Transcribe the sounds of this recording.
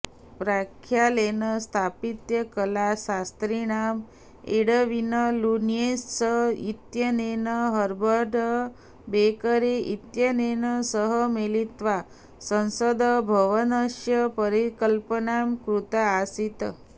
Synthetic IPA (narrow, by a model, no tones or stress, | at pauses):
pɾakʰːjalenəst̪ʰapit̪jəkəlasast̪ɾiɽam | eɽəʋinəlunijessəit̪jənenəɦəɾbʱəɖʱə | bekəɾeʔit̪jənenəsəɦəmelit̪ʋa | sə̃nsəd̪əbʱəʋənəɕjəpəɾikəlpəɳamkɾut̪aːsit̪